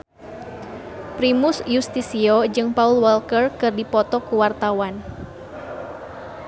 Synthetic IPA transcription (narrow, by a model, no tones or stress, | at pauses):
pɾimusjust̪isiɔd͡ʒɨŋpaulwɛlkərkɨrdipɔt̪ɔkuwart̪awan